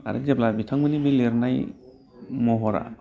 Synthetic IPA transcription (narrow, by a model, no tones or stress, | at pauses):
a̰ɾɛ̰d͡ʒɛplabitʰaŋmɯnibileɾnaj | mɔɦɔɾa̰